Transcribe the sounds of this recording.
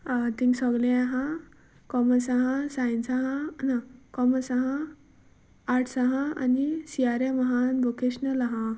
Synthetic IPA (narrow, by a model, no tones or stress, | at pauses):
t̪ĩŋɡsɔɡlẽaɦã | kɔməsaɦãsãjnsaɦãnakɔməsaɦã | ʈʰsaɦãa̰nisiaɾeməɦanbokeɕnəlaɦã